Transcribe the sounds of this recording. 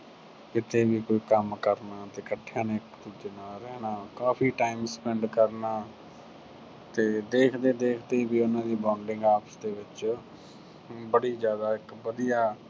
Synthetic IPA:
kɪt̪ʰeːbiːkoːiːkəmkəɾnaːt̪eːkəʈʰːjãːneːkt̪ʊd͡ʒ̪enaːɾɛːnaːkaːpʰiːʈaːɪmspɛɳɖkəɾnaː | t̪eːd̪eːkʰd̪eːd̪eːkʰd̪eːiːbiːʊnãːd̪iːbãːɳɖɪ̃ŋɡaːpsd̪eːʋɪt͡ʃ | bəɽiːzjaːd̪aːɪkbəd̪ijaː

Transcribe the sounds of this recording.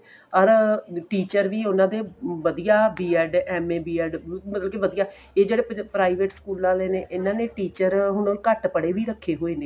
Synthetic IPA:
ɔɾʈiːt͡ʃəɾʋiːʊnãːd̪eːʋəd̪ijaːbiːɛːɖɛːmẽːbiːɛːɖmət̪ləbkiːʋəd̪ijaː | eːd͡ʒeːɽeːpɾaːiʋeːʈskuːlnaːleːneːʔɪnãːneːʈiːt͡ʃəɾɦʊnõːkəʈpəɽeːʋiːɾəkʰːeːɦoːẽːneː

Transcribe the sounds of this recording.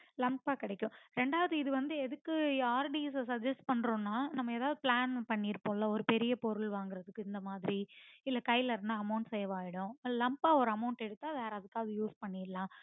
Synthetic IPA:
lɐmpaːkɪɽɐkʲːʊ̃ɾɛɳɖaːʋɐðɯɪðɯʋɐnd̪ɯɛðɯkːɯaːɾɖiɛssɐɡ̚d͡ʒɛsʈ̚pɐɳːɾõːnːaːnɐmːɐeːðaːʋðɯplaːnpɐɳːiːɾpːoːlɐɔɾɯpɛɾɪjɐpɔɾɯlʋaːŋɡɪɾɐðɯkːɯɪnd̪ɐmaːðɪɾiɪlːɐkɐjlɐɾɯnd̪aɐmɐʊɳʈsɛjɐʋaːjɪɽʊ̃lɐmpaːɔɾɯɐmɐʊɳʈɛɽɯt̪ːaːʋeːɾɐðɯkːaːɐðɯjuːspɐɳːiːɾlãː

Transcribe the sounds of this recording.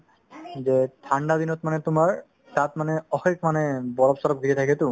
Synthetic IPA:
zet̪ʰaɳɖad̪inɔt̪̚manɛt̪ʊmaɹ | tat̪manɛɔxekmanɛbɔlɔpsɔɾɔp̚ɡʱiket̪ʰakɛt̪ʊ̃

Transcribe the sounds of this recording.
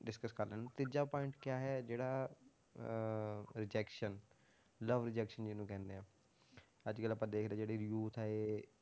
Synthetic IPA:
ɖɪskəskəɾlɛːnt̪id͡ʒaːpɔːɪɳʈkjaːɦɛːd͡ʒeːɽaː | ɾɪd͡ʒɛːkʃən | ləʋɾɪd͡ʒɛːkʃənd͡ʒɪnũːkɛ̃ːnd̪eãː | əd͡ʒkələpãːd̪eːkʰd̪eːd͡ʒeːɽiɾjuːt̪ʰɛe

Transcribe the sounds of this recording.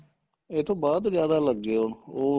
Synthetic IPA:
ɪt̪ʰõːbaːd̪zjaːd̪aːləɡːeːɦʊɳoː

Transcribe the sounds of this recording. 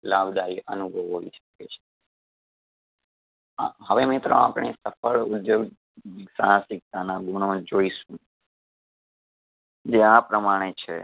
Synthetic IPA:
labd̪aiʔənubʱəʋəʋiʃə̥ket͡ʃʰe̥ | ɦəʋemɪt̪ɾə̃a̰pɳ̃esəfəɭʊd̪joɡ | sasɪk̚t̪anaɡuɳ̃õd͡ʒoiʃũ | d͡ʒeapɾəmaɽ̃et͡ʃʰḛ

